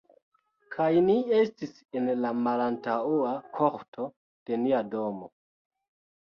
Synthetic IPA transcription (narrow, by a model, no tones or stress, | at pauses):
kʰajnie̞stis | enlamalantauakʰoχtʰo̞ | d̥e̞niadomo̰